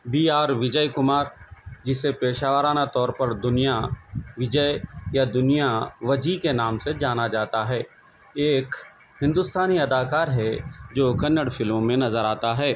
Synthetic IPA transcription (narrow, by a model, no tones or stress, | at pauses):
biːaːɾʋɪd͡ʒəjkʊmaːɾd͡ʒɪsepeːʃaːʋəɾaːnat̪ɔːɾpɐɾd̪ʊnijaʋɪd͡ʒəjad̪ʊnijaʋɐd͡ʒikenaːmsed͡ʒaːnad͡ʒaːt̪aɦɛː | eːk | hɪ̃nd̪ʊst̪ʰaːniɐd̪aːkaːɾɦɛd͡ʒoːkɐnːəɽfɪlmõmẽnɐzəɾaːt̪aɦɛː